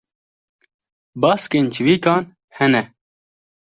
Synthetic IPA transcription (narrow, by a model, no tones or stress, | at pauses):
bɑːskeːnt͡ʃʰiwiːkɑːn | hɛnɛ